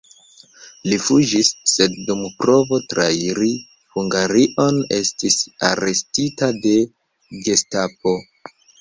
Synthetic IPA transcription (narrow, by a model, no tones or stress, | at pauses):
lifud͡ʒisːe̞dːumpɾo̞vo̞tɾaiɾi | huŋɡaɾiʔo̞ne̞̰stisa̰ɾe̞stitade̞ | ɡe̞stap̚o̞